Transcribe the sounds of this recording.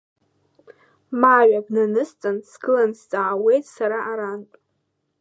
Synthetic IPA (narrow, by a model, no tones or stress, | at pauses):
maɥabnɨnɨst͡sʼansɡɨlanst͡sʼaːwe̞jtʼsaɾaʔaɾantʷʼ